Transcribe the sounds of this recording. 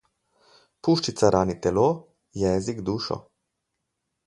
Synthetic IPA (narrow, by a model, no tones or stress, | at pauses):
puːʃt͡ʃit̪saɾʔaːnit̪ɛloː | jɛːziɡd̪uːʃɔ̰